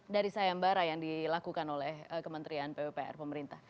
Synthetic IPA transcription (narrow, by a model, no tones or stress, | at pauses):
daɾisajambaɾajaŋdilakukanolɛhəkəmənt̪ɾianpebepeʔɛ̰rpəməɾint̪ah